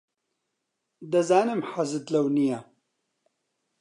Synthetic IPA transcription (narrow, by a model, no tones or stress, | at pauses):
d̪ɐzaːnɨmħazɨd̪lɐwnija